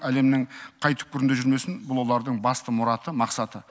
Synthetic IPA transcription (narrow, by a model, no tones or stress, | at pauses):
æle̞mnɪŋqʰɑjt̪ʰʏ̥p̚kʏɾɪnd̪eʒʏɾme̞sɪnbʊlˠwo̞lˠɑɾd̪əɴbɑst̪əmʊɾɑt̪əmɑqsɑt̪ə